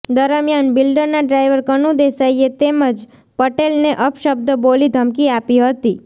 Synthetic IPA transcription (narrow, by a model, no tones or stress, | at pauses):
d̪əɾmjanbilɖəɾnaɖɾaiʋəɾkənũd̪esaiet̪eməd͡ʒ | pəʈelneʔəpʃəb̚d̪əbolid̪ʱəmkiapiɦət̪i